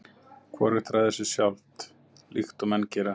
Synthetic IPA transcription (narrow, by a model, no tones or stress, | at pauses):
kʰvɔɾɪt̪ʰɾaθɛsːɪsjawlt̪ | lixt̪ɔmɛncɛɾa